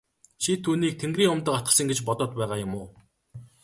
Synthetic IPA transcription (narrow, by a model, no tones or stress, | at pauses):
t͡ɕʰit̪ʰuːniːk̚t̪ʰeŋɡriːŋʊmt̪ə̆kat̪ɢə̆sə̆ŋɡet͡ɕpɔt̪ɔːt̪pæːʁaːjʊmʊː